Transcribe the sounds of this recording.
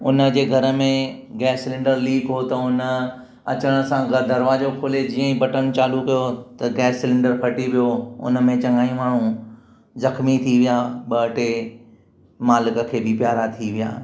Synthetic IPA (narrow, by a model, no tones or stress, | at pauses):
ʊnə̆d͡ʑeːɡʱɐɾə̆mẽ | ɡɛːsɪlɪ̃ɳɖəɾliːbɦot̪ɐʊnə | ɐ̰t͡ɕəɽ̃əsãɡɐd̪ʱɐɾʋad͡ʑokʰoːled͡ʑiːə̃ĩbɐʈənt͡ɕaːlukɐjot̪ɐɡɛːsːɪlɪ̃ɳɖəɾpʰɐʈiʋijoʊ̰nə̆mẽt͡ɕɐ̃ŋɡaːĩmaːɳ̤ũ | zɐxmit̪ʰiʋijaːɓɐəʈe | maːlɪkə̆kʰeːbɪpjaːɾat̪ʰiʋija̰ː